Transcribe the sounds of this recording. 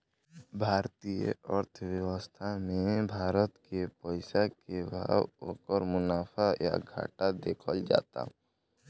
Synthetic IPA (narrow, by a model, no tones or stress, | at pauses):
bʱaːɾt̪ijə̰əɾt̪ʰəwjəwəst̪ʰamẽbʱaːɾət̪kepəɪsakebʱa̰ːwo̰ːkəɾmʊnaːpʰaja̰ɡʱa̰ːʈad̪eːkʰəld͡ʒa̰ːt̪a̰